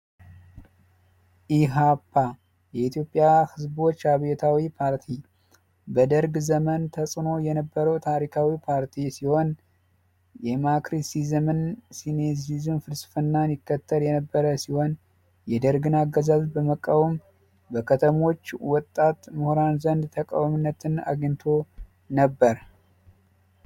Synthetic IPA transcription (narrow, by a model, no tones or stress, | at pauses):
ʔiɦapʰːa | jɛit̪jo̞pʼːjahɨzbot͡ʃːhaβet̪ʰawipʰaɾt̪ʰi | bəd̪əɾɡzəmənt̪ʰəsʼno̞jɛnəbːəɾəwt̪ʰaɾikʰawipʰaɾt̪ʰisiho̞n | jɛmakɾisizəmɨnsinezizɨnfɨlsfɨnːanɪkːət̪ʰːəljɛnəbːəɾəsiho̞n | jɛd̪əɾɡɨnaɡːəzazbəməkʼːawm | bəkʰət̪ʰəmo̞t͡ʃːwɔt̪ʼːat̪muhɾanzənd̪t̪ʰəkʼa̰wmɨnːət̪ʰɨna̰ɡɲt̪ʰo̞ | nəbːəɾ